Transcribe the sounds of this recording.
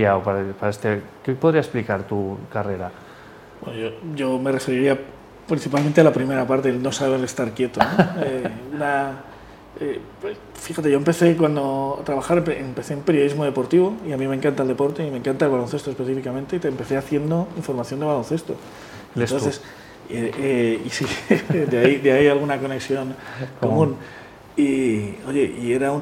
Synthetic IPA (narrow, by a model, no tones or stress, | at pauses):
aopaɾpaaest̪ekepoðɾiasesplikaɾt̪ukare̞ɾa | bwe̞noʝoʝo̞me̞re̞feɾiɾia | pɾinθipalmẽnt̪ealapɾime̞ɾapaɾt̪e̞lno̞saβele̞st̪aɾkje̞t̪onoeuna | e | fixat̪e̞ʝompe̞θe̞kwand̪o̞at̪ɾaβaxaɾpempe̞θeumpe̞ɾjoizmo̞ð̞e̞po̞ɾt̪iβo̞iamimẽ̞ŋkant̪aeld̪e̞po̞ɾt̪eimẽ̞ŋkant̪aelβalo̞nθe̞st̪ospeθifikamẽ̞nt̪e̞t̪empe̞θe̞aθje̞nd̪o̞iɱfo̞ɾmaθjond̪e̞βalo̞nθe̞st̪o̞̰ | eno̞nθe̞s | eeisid̪eaid̪eaialɣ̞unako̞neksjo̞ŋko̞mũn | io̞ʝe̞ʔie̞ɾaun